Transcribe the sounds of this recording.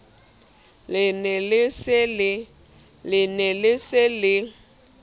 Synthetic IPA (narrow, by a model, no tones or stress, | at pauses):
ɪnɛlɪsɪlɪ | lɪnɛlɪsɪlɪ